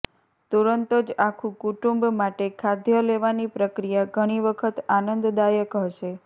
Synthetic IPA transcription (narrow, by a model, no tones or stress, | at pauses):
t̪uɾənt̪od͡ʒakʰũkuʈumbmaʈekʰad̪ʱjəleʋanipɾəkɾijaɡʱəɽ̃iʋəkʰət̪anənd̪d̪ajəkɦəʃe